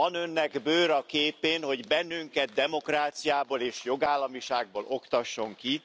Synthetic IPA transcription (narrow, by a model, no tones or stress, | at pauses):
ɒnø̞nːɛɡbøːɾɒkeːpeːnho̞ɟbɛnːyŋkɛt̪̚d̪ɛmo̞kraːt̪sijaːboːleːʃjo̞ɡaːlːɒmiʃaːɡ̚boːlo̞kt̪ɒʃːo̞ŋki